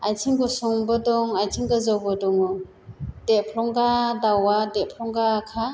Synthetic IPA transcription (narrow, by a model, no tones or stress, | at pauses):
ajtʰiŋɡɔsɔŋbɯdɔŋajtʰiŋɡazɔwbɔdɔŋɔ | d̥epʰlɔŋɡadawadeʔpʰlɔŋɡakʰa